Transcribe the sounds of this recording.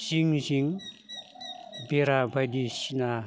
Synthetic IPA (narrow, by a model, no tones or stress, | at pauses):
siŋziŋ | beɾabʱajdisina